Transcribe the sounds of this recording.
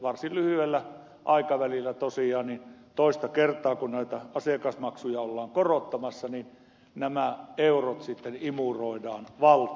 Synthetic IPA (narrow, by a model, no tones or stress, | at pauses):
ʋɑrsillyhyelːæ | ʔɑˑikɑʋælilːæt̪osiɑːnnint̪oˑist̪ɑkert̪ˑɑːkunnæit̪æɑsekɑsmɑksujɑolːɑːŋkorot̪ːɑmɑsːɑnin | næmæeurot̪sit̪ːenimuroˑidɑːnʋɑlt̪